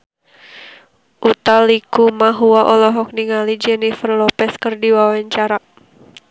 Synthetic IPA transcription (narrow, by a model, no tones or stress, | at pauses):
ʔut̪alikumaɦuaʔɔlɔɦɔk̚niŋalid͡ʒɛnifərlɔpɛskɨrdiwawaɲt͡ʃaɾa